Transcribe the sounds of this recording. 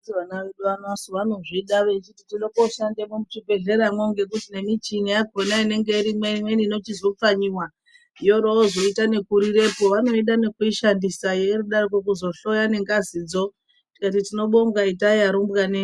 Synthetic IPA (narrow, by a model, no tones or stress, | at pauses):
iʋanaʋeɗuʋanasoʋano̞ʐiɗaʋet͡ʃititinokoʃandemomut͡ʃibʱe̞ɮe̞ɾamoŋɡe̞k̬utinemit͡ʃinijaɡʱonaine̞ŋɡe̞iɾimwemwenino̞t͡ʃizo̞p͡faɲiwa | ijo̞ɾoozo̞itane̞kuɾiɾe̞po̞ʋano̞iɗane̞kuiʃandisajeɾuɗarikwokuzo̞ɬo̞jane̞ŋɡazid͡zo̞ | ti̥kat̬itino̞ɓo̞ŋɡaitajaɾombɣane